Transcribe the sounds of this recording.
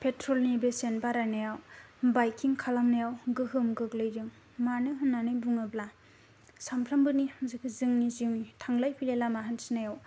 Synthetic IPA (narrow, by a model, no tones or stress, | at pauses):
pʰetʰɾɔlnibesenbaɾanajawbajkʰiŋkʰalamnajawɡɯɦɯmɡɯklɯjdɯŋ | manɯɦɯnːanɯjbuŋɯbla | sampʰɾambɯnimzɯkʰɯzɯŋniziwnitʰaŋlajpʰilelamaɦansinajaw